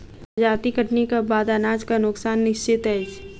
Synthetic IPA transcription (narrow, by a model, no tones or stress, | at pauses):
d͡ʒaːt̪ikəʈnikabaːd̪aːnaːd͡ʒkanʊksaːnːɪʃt͡ʃɪt̪ɦɛːd͡ʒ